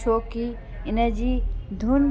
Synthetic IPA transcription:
oːki | ɪnə̆d͡ʑiːd̪ʱuːn

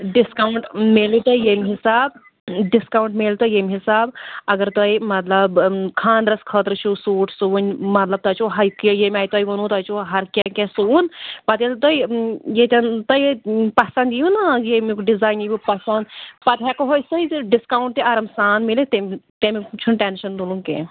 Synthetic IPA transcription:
ɖɪskaːuɳʈmeːlit̪ɐijemiɦisaːb̚ | ɖiskaːwɳʈmeːlt̪ojemʲɦisaːbɐɡɐɾt̪ɐimɐt̪lɐbkʰãːnd̪ɾɐskʰəːt̪ɾt͡ʃʰusuːʈʰsunʲmɐt̪lɐb̚t̪ɐt͡ʃoɦɐkjemʲaːjt̪ɐjʋɐnuːt̪ɐt͡ʃoɦɐɾkʲɛ̃kɛ̃suunpɐt̪elt̪oijet̪ʲɐnt̪ɐjpɐsɐnd̪ijunajemikɖizaːjnibipɐsɐnd̪pɐt̪ɦɛkoɦoːjsɐiɖɪskaːuɳʈ̚t̪eɐɾɐmsaːnmilit̪et̪emit͡ʃʰunʈɛnʃɐnd̪ulũkḛ̃

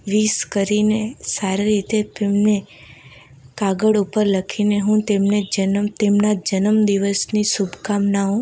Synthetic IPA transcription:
ʋiskəɾinesaɾeɾit̪epemne | kaɡəɽupəɾləkʰineɦũt̪emned͡ʒənəmt̪emnad͡ʒənəmd̪iʋəsnisubʱkamnaõ

